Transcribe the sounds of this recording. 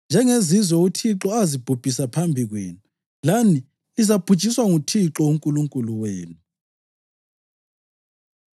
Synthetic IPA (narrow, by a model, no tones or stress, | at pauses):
nd͡ʒʱɛŋezizwɛutʰiǁɔazib̥ʱub̥ʱisapʰambʱiɣwḛːnu | laniː | zapʰut͡ʃʼiswaŋutʰiǁɔuŋkʼuluŋkʼuluweːnu